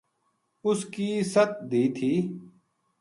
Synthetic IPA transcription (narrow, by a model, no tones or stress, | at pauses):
ʊskiːsət̪̚d̪iːt̪ʰiː